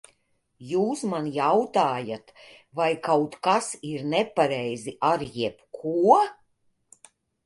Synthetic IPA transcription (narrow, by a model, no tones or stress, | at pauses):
juːsmanjawt̪aːjat̪ | vajkawt̪kasiɾnɛpaɾɛjziʔaɾjɛpkʰuɔ